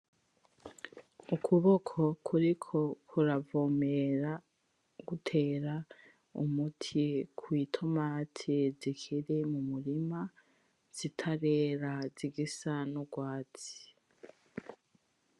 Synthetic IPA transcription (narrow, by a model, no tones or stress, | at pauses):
ukʰuβo̞kʰo̞kʰuɾikʰo̞kʰuɾavo̞meɾa | ɡ̥utʰeːɾa | ṵmutʰikʰwiːtʰo̞maːtʰizikʰiɾemumuɾima | z̥itʰaɾeːɾaziɡisanoɡwaːt͡si̥